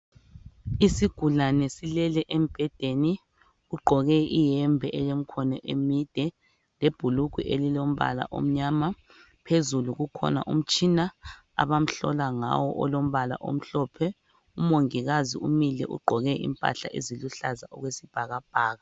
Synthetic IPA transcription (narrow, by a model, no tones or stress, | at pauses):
isiɡ̥ʱulanɛsilɛlɛʔemb̥ʱɛd̥ʱeni | uɡ͡ǃʱɔɣɛijɛmbʱɛʔɛjem̩kʰɔnɔʔemid̥ʱɛ | leb̥ʱuluɡ̥ʱiʔelilom̩βa̰la̰ʔo̰m̩ɲaːma | pʰezuluɣukʰɔ̰na̰ʔum̩t͡ʃʼina | a̰βam̩ɬɔ̰laŋa̰wɔ̰ʔɔlom̩βala̰ʔo̰m̩ɬɔpʰɛ | umoŋiɣaziumilɛ̰ʔṵɡ͡ǃʱɔɣɛʔḭmpʼa̰ɬa̰ʔeziluɬazaʔɔɣwesib̥ʱaɣab̥ʱaːɣa